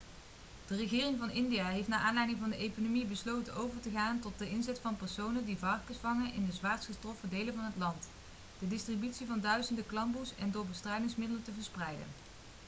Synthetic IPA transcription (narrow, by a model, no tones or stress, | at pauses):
d̥ərəɣɪːrɪŋvɑnɪndijaːɦejftnaːʔaːnlɛjdɪŋvɑndəʔejkonomibəslowtənowvəɹtəχaːntɔt̚dəʔɪnzɛtfɑnpɛɹsownədivɑrkəsfɑŋənʔɪndəzʋaːɹtsχəstrɔfədejlənvɑnɦətlɑnt | d̥ədɪstribytsivɑndœɥzəndəklɑmbusɛ̰ndʊːɹbəstrɛjdɪŋsmɪdələntəvəɹsprɛjdə̰n